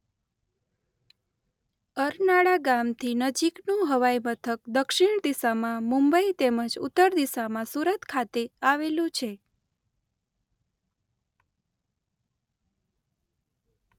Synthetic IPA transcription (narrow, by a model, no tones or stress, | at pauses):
əɾnaɽaɡamt̪ʰinəd͡ʒiknũɦəʋajmət̪ʰək̚d̪əkʃɪɳ̃d̪isamãmũmbəit̪eməd͡ʒṵt̪ːəɾd̪isamãsuɾət̪kʰat̪eaʋelũt͡ʃʰe